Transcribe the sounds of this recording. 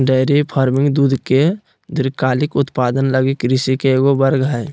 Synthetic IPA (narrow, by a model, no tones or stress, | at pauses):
ɖəɪɾepʰaːɾmɪ̃ŋɡd̪uːd̪ʱke | d̪ɪɾkaːlɪkʊt̪paːd̪ənləɡikɾɪsikeːɡobəɾɡɦɛj